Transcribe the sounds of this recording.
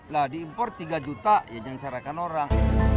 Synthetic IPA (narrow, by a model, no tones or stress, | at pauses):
ladiːmpɔrt̪iɡad͡ʒut̪ajaɲaŋsaɾakanoɾaŋ